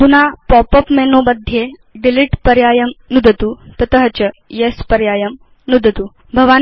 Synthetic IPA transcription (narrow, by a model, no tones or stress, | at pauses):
t̪unapɔpəpmeːnobɐd̪ʱːje | ɖiliʈpɐɾjaːjɐmnud̪ʱɐt̪ut̪ɐt̪ɐɦɐt͡ɕɐjespɐɾjaːjɐm | nud̪ʱɐt̪u | bʱɐʋaː